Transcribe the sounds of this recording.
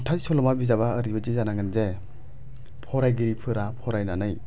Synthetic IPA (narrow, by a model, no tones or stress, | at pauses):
tʰasɔlɔmabizaβaəɾibazizanaŋɯnze | pʰɔɾajɡiɾipʰɯɾapʰɔɾajnanɯj